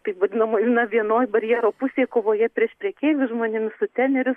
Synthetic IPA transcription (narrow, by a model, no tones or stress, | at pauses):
t̪ɐɪpʋɐd̪ʲɪnɐmoːinɐʋʲiɛnoːjbɐɾʲjɛɾoːpʊsʲeːkoːʋoːjɛpʲɾʲiɛʃpʲɾʲɛːkʲeːʋʲʊsʒmoːnʲɪmʲɪsʊt̪ʲæːnʲɛɾʲʊs